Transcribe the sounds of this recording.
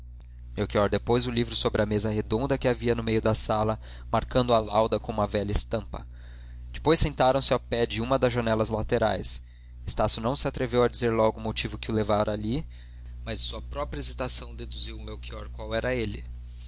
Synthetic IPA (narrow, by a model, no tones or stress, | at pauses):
mewkiɔɾd̪epojzʊlivɾʊsobɾɪɐmezɐhed̪õnd̪ɐkɪaviɐnʊmejʊd̪ɐsalɐ | maɾkɐ̃nd̪ʊalawd̪ɐkõũmɐvɛʎɐɪst̪ɐ̃mpɐ̰ | d͡ʒɪ̥pojsːẽnt̪aɾɐ̃w̃sɪawpɛd͡ʒɪũmɐd̪ɐzʒɐnɛlɐzlat̪eɾa̰js | est̪asjʊnɐ̃w̃sɪat̪ɾevewɐd͡ʒizeɾlɔɡʊmot͡ʃivʊkɪʊlevaɾɐːli | mɐzsuɐpɾɔpɾɐezit̪asɐ̃w̃d̪ed̪uziwʊmewkiɔɾkwawɛɾɐelɪ